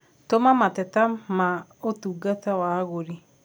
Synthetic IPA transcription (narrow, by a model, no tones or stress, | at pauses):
tomamatɛtamaotuːɡatawaɣoɾi